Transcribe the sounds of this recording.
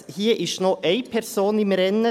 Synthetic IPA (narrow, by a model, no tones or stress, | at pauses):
hiːʔɪʃnoːʔeɪpʰɛɾsoːnɪmɾɛnə